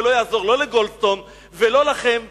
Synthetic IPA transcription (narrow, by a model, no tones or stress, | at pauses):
lo̞jaːzo̞ʁlo̞leɡolst̪o̞n | velo̞laχem